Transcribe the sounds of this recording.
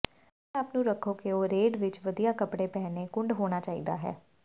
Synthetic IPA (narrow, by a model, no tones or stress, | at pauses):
ɛ̃ːaːpnũːɾəkʰoːkeoːɾeːɖʋɪt͡ʃʋəd̪ijaːkəpɽeːpɛːneːkʊɳɖɦoːɽ̃aːt͡ʃaːḭːd̪a̰ːɦɛ̰ː